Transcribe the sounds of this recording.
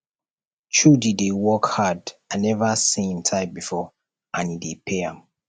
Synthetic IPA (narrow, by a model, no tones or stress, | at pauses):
t͡ʃudidewɔkhadãnɛvasĩntʰãɪbifɔ | ʔãnidepʰeãm